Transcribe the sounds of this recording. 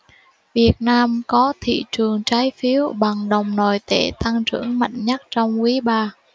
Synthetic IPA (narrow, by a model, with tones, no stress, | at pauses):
vi˨˩ət̚naː˧mkɔ˨˦t̪ʰḭ˧˨t͡ɕɨ˨˩əŋt͡ɕaː˨˦jfi˨˦əwɓa˨˩ŋɗə˨˩wŋ͡mno˨˩jt̪e˧˩t̪a˧ŋt͡ɕɨ̰˧˩əŋma̰˧˨jŋ̟ɲə˦˥t̚t͡ɕɔ˧wŋ͡mkwi˨˦ɓaː˧